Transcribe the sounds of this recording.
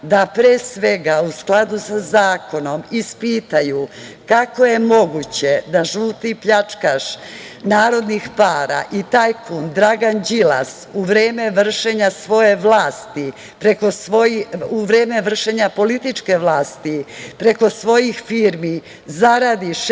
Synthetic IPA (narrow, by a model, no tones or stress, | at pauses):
d̪apɾeːsʋe̞ɡausklˠad̪usazaːko̞no̞mispiːt̪ajukako̞je̞mo̞ɡut͡ɕe̞d̪aʒuːt̪ipʎat͡ʂkaʃ | naːɾo̞d̪nixpaːɾa̰ʔit̪aːjkʰund̪ɾaɡand͡ʑila̰suʋɾeːme̞ʋr̩ʃe̞ɲasʋo̞je̞ʋlaːst̪i | pɾekosoiuʋɾe̞ːme̞ʋr̩ʃe̞ɲapo̞lit̪it͡ʃke̞ʋlaːst̪ipɾe̞ko̞sʋo̞jixfiːɾmi | zaɾad̪iʃ